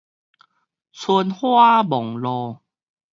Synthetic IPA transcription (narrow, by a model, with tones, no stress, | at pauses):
t͡sʰu˧nhwa˦bɔ˨˩ŋlɔ˧